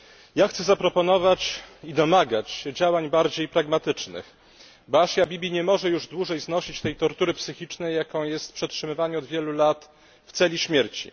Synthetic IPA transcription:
jaxt̪sɛzapɾɔpɔn̪ɔvat͡ɕid̪ɔmaɡat͡ɕɛd͡ʑawaɲbaɾd͡ʑejpɾaɡmat̪ɘt͡ʂnɘ̰x | baʂjabʲibʲiɲɛmɔʐɛjuʐd̪wuʐɛjznɔɕit͡ɕt̪ɛjt̪ɔɾt̪uɾɘpsɘxʲit͡ʂnɛjːakɔ̃w̃jɛst̪̚pʂɛtʂɘmɘvaɲɛɔd̪vʲjɛlulat̪ | ft̪sɛlʲiɕmʲjɛɾt͡ɕḭ

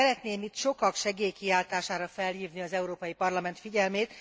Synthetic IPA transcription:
ɛɾɛt̪neːmit̪ʃo̞kɒkʃɛɡeːjkiaːlt̪aːʃaːɾɒfɛlhiːvniɒzɛuɾoːpɒjipɒrlɒmɛnt̪fiɟɛlmeːt̪

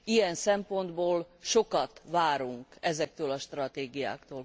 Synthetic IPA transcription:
ijɛnsɛmpo̞nd̪boːlʃo̞kɒt̪ʋaːɾuŋkɛzɛk̚t̪øːlɒʃt̪rɒt̪eːɡija̰ːkt̪oːl

